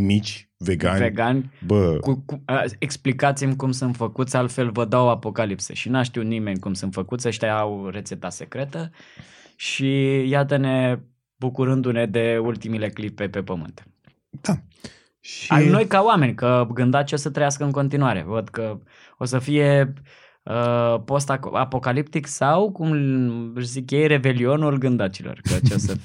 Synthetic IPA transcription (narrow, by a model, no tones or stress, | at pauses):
mit͡ʃʲveɡanʲveɡanʲbəkukuəeksplikat̪simkumsɨnt̪fəkut̪sʲalt̪fe̞lvəd̪awapo̞kalipsḛʃinaʃt̪iut̪nime̞nʲkumsɨnt̪fəkut̪sʲəʃt̪ʲaawɾe̞t̪se̞t̪ase̞kɾe̞t̪ə | ʃijat̪əne̞ | bukuɾɨnd̪une̞d̪e̞ult̪imile̞klipe̞pe̞pəmɨ̰nt̪ | d̪̥a | ʃiaimno̞jkaoame̞nʲkəɡɨnd̪at͡ʃio̞sət̪ɾəjaskəɨnko̞nt̪inuaɾe̞̰vəd̪kə | o̞səfije̞ | əpo̞st̪aa̰po̞kalipt̪iksawkum | zikjejre̞be̞lio̞nulɡɨnd̪at͡ʃilo̰rkət͡ʃeosə